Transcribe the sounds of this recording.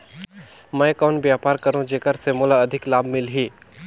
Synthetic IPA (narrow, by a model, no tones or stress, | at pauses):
mɛ̃ːkaʊnbjaːpaːɾkɐɾũd͡ʒeːkəɾsemoːlaɐd̪ʱɪklaːbmɪlɦiː